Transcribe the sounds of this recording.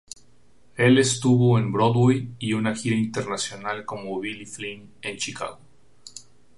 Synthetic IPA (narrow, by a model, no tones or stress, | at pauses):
e̞le̞st̪uβo̞embɾoðwejiunaxiɾaint̪e̞ɾnasjo̞nalko̞moβilifline̞nt͡ʃika̰ɣo